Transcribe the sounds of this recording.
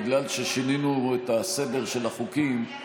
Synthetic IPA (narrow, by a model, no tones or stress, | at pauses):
ɡlalʃe̞ʃininuet̪ase̞de̞ʁʃe̞laχukim